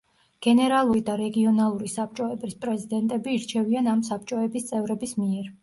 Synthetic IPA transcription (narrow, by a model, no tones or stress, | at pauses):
ɡ̥ɛnɛɾalˠuɾid̪aɾɛɡiɔnalˠuɾisap̚t͡ʃʼɔɛbɾispʼɾɛzid̪ɛnt̪ʼɛbiːɾt͡ʃʰɛvianams̬ap̚t͡ʃʼɔɛbist̪sʼɛvɾɛbismiɛɾ